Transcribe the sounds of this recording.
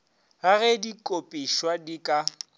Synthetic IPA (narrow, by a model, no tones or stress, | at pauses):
ɣaɣɛdikʼopʼiʃwadikʼa